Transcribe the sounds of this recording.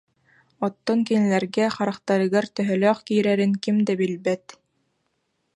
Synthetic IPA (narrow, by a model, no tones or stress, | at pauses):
ɔt̪ːɔŋkinælæɾɡæχɑɾɑqt̪ɑɾɤ̆ɡɑɾt̪œ̆ɦœlœqkijɾæɾɘŋkɘmd̪æbilbæt̪